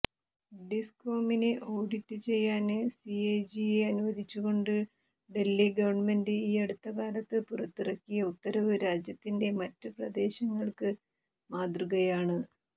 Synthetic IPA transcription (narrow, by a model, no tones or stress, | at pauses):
ɖisko̞ːminɨʔo̞ːɽitːɨt͡ɕe̞jːaːnsiejd͡ʑieɐnuʋɐd̪ʱit͡ɕːuɣo̞ɳɖɨ | ɖe̞lːiɡɐʋɐrɳme̞ndɨiːeɽut̪ːɐkaːlɐt̪ːɨpurɐt̪ːirɐkːijɐut̪ːɐɾɐʋɨɾaːd͡ʑjɐt̪ːinde̞mɐtːɨprɐd̪e̞ːɕɐŋːɐɭkɨ | maːd̪ruɣɐjaːɳɨ